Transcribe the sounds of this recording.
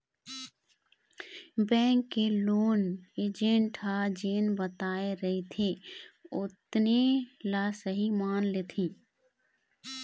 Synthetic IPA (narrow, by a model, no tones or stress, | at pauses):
bɛ̃ːŋkːeloːneːd͡ʒẽːɳʈʰad͡ʒeːnbət̪aːeɾəɦit̪ʰeʊt̪nelasəɦimaːnleːt̪ʰĩː